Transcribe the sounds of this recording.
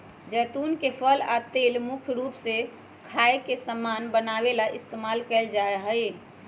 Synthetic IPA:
d͡ʒɛːt̪unkepʰəlat̪elmukʰɾupse | kʰaekesəmːanbənaelaʔist̪emalkɛld͡ʒaeɦəj

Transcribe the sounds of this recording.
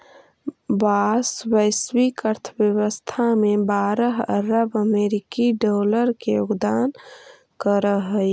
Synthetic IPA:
baːswəɪswikəɾt̪ʰəbjəwəst̪ʰamẽbaːɾəɦəɾəbəmeːɾɪkiɖoːləɾkejoɡd̪aːn | kəɾəɦə

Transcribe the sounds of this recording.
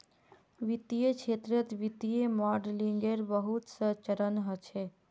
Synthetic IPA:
ʋit̪ijet͡ʃʰet̪ɾət̪ʋit̪ijemaɖliŋɡeɾbəɦut̪sət͡ʃəɾənɦət͡ʃʰe

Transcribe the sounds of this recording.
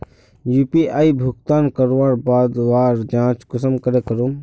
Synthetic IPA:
juːpiʔaibʱʊkt̪aːnkəɾʋaːɾbaːd̪ʋaːɾd͡ʒãːt͡ʃkʊsəmkəɾekəɾuː

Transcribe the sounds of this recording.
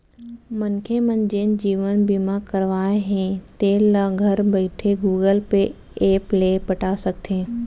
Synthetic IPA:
mɐnkʰemɐnd͡ʑeːnd͡ʑiːʋənbimãkɐɾʋaːeɦẽt̪eːlaɡʱɐɾbɐɪʈʰeɡuːɡəlpe | eːpleːpɐʈaːsɐɡ̚t̪ʰẽː

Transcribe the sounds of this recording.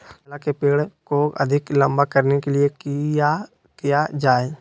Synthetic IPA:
lakepeːɽkoʔɐ̰d̪ʱɪklɐ̃mbakɐɾnekeliekija | kijad͡ʒaːe

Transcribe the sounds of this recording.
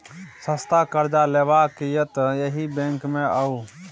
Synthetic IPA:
səst̪aːkəɾd͡ʒaːleːʋaːkijət̪jəɦibẽŋkmẽəuː

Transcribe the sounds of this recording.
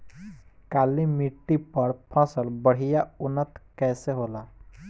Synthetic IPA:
kaːlimiʈːipəɾpʰə̃səlbəɽ̤ijaʊnːət̪kɛːseɦoːlaː

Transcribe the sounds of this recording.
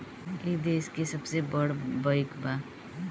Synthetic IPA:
eːkd̪eːskesəbsebəɽbəjkba

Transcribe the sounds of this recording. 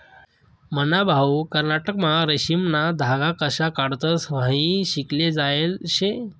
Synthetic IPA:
mənabʱawkəɾnaʈəkmaɾəɕimnad̪ʱaɡakəɕakaɽt̪əsʋ̤ãɦĩɕikled͡zaelɕe

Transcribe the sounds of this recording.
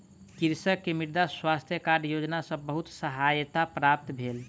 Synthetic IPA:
kiɾsəkːemiɾd̪aswast̪ʰjəkaɖjod͡ʒnasə̃bəɦut̪səɦajt̪apɾap̚t̪bʱel

